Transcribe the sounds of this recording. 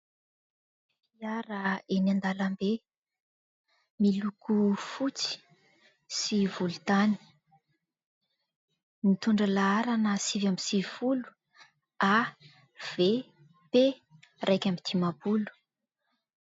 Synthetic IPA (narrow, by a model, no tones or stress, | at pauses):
fiaɾəenand̪alambe | milukufut͡si̥ | sivulut̪ani̥ | mit̪uɳɖ͡ʐəlaaɾanəsivamisiv̥ulu̥ | a | v̥e | pe | rʔajkʲamid̪̥imabulu̥